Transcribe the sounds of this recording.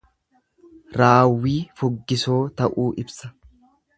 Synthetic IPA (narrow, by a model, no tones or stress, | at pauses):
ɾaːwːiːfʊɡːɪsoːt̪ɐʔuːʔɪbsɐ̥